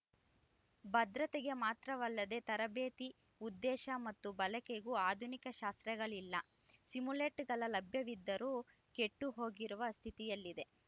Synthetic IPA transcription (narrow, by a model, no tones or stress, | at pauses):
bɐd̪ɾɐt̪ɛɡe̞maːt̪ɾɐʋɐlːɐd̪e̞t̪ɐɾɐbeːt̪i | ud̪ːɛːʃɐmɐt̪ːubɐlɐkeɡuːaːd̪ʱunikɐʃaːst̪ɾɛɡɐɭilːɐ | simuleːʈɡɐlɐlɐbʱjɐʋid̪ːɐɾuː | ke̞ʈːuɦo̞ːɡiɾuʋɐst̪ʰit̪ijɐlːid̪e̞